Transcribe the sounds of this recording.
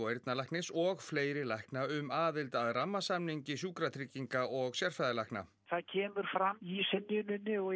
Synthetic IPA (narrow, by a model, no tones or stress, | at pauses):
ɔeɾt̪nalajhknɪsɔɣfleːjɾɪlajhknaʏmaːðɪlt̪aðramːasamniɲcɪsjuːkɾat̪ʰɾicːiŋkaɔɣsjar̥fajðalajhkna̰ | θaðcʰɛːmʏɾ̥fɾamːisɪnːʏnʏnːɪɔ